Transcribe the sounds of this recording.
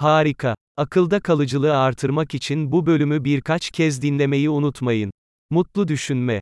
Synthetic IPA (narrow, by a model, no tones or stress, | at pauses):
haːɾikʰa | akʰɯlˠd̪akʰalˠɯd͡ʒɯlˠɯaɾt̪ʰɯɾmakit͡ʃʰinbubø̞lʲymybiɾkʰat͡ʃcʰɛzd̪inlʲe̞me̞jiunut̪majɯn | mut̪lˠud̪yʃynmɛ